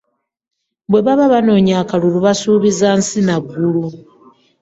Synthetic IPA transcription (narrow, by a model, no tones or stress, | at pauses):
bwe̞βaβaβano̞ːɲaːkaluluβasuːβizansinaɡːulu